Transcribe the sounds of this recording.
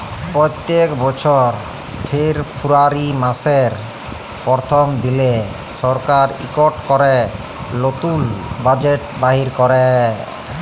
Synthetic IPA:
pɾojt̪ːekbɔt͡ɕʰoɾ | pʰeɾpʰuɾaɾimaseɾ | pɔɾt̪ʰomd̪ile | ʃɔɾkaɾḭkoʈkɔɾe | lot̪ulbad͡ʑeʈ̚baɦiɾkɔɾe

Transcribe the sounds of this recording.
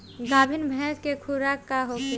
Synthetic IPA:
ɡaːbʱinbʱɛːskekʰuɾakːaɦok

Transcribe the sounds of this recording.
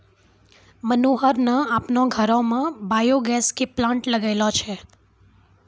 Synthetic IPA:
mənuɦəɾnaapnõɡʱəɾomãbajoɡɛskiplãɳʈləɡajlot͡ʃʰe

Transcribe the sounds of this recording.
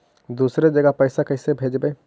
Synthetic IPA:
d̪uːsɾed͡ʒɐɡəpɛɪsakɐɪsebʱeːd͡ʒbeː

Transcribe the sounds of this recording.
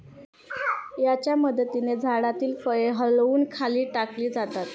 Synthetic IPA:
jat͡ɕjaməd̪ʱt̪ined͡zʱaɽat̪iːlfəjeɦəluːnkʰaliːʈakliːd͡zat̪at̪

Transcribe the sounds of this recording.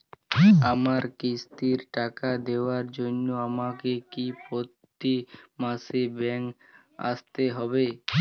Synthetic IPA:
amaɾkist̪iɾʈakad̪eaɾd͡ʒonːoamakekipot̪ːimasebɛŋk | a̰st̪eɦɔbe

